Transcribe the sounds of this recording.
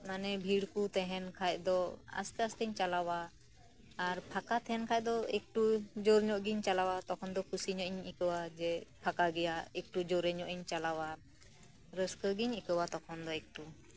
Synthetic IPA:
manɛbʱiɽkut̪ɛɦɛnkʰac̚d̪ɔa̰st̪ɛast̪ɛɲt͡ʃalawaː | ɾpʰakat̪ɛɦɛnkʰac̚ˀd̪ɔek̚ʈud͡ʒoɾɲɔʔɡiɲt͡ʃalawat̪ɔkʰɔnd̪ɔkʰusiɲɔʔɲikəwad͡ʒɛpʰakaɡɛjaek̚ʈud͡ʒɔɾɛɲɔʔiɲt͡ʃalawa | ɾəskəɡiɲikəwat̪ɔkʰɔnd̪ɔek̚ʈu

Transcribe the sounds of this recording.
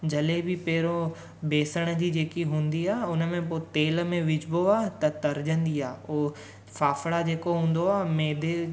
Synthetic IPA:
d͡ʑɐlebɪpɛɦɪɾo | beːsəɽ̃d͡ʑiːd͡ʑeːkiɦũːnd̪iaːʊnəmẽpoːt̪eːlmẽʋɪd͡ʑboaːt̪ɐt̪ɐɾd͡ʑə̃nd̪iaːoː | faːfɽad͡ʑeːkoɦũːn̆d̪oaːmeːd̪e

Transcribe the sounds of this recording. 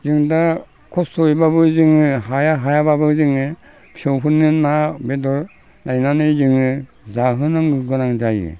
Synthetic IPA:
zɯŋda | kʰɔsojbabɯzɯŋɯɦajaɦajababɯzɯŋɯ | pʰiɔwɦɯnːɯnabedɔɾ | najnanɯzɯŋɯ | zaɦɯnɯŋɡɯɡɯnaŋzajɯ̰

